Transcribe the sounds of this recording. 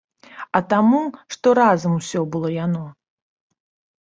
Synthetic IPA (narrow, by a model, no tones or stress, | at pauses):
ɐt̪amuʂt̪ɔɾazɐmusʲɔbɨlˠɔjanɔ